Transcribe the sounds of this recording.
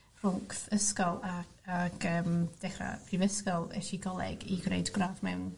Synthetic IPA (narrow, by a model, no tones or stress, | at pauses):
rʊŋkθəskɔlˠa | aɡ̥əːmd̥ɛχra̰pʰrivəskɔlˠɛ̰ʃiɡɔlˠɛ̰ɡiɡrḛjdɡ̥raːvmɛwn